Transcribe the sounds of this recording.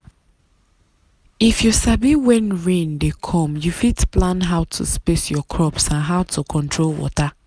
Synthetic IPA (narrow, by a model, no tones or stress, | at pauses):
ifjusabiwɛ̃nɹẽndekʰɔ̃mjufitplãnɦaʊtʰṵspesjɔkʰɹɔpsãnɦaʊtʰukʰɔ̃ntʰɹolwɔ̰ta